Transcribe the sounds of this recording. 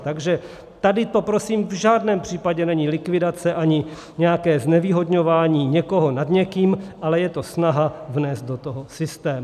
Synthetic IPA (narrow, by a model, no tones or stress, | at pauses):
t̪aɡʒɛ | t̪adɪt̪o̞pɾosiːmvʒaːdnɛːmpr̥iːpaɟɛnɛɲɪlɪkvɪdat͡sɛʔaɲɪ | ɲɛjakɛːznɛviːɦo̞dɲo̞vaːɲiːɲɛko̞ɦo̞nadɲɛkiːmʔalɛjɛt̪o̞snaɦavnɛːzt̪̚do̞t̪oɦosɪst̪ɛːm